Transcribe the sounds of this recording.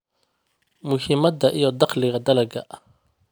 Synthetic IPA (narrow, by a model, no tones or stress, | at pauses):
mʊhɪmɐd̪ɐʔijɔd̪ɑqlɪɣɐd̪ɐlɐɡɐ̰ʔ